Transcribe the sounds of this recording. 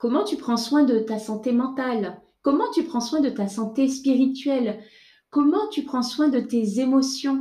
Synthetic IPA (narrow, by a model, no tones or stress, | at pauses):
kɔmɑ̃t̪ypχɑ̃swɛ̃d̪ət̪asɑ̃t̪emɑ̃t̪al | kɔmɑ̃t̪ypχɑ̃swɛ̃d̪ət̪asɑ̃t̪espiʁit̪ɥɛl | kɔmɑ̃t̪ypχɑ̃swɛ̃d̪ət̪ezemɔsjɔ̃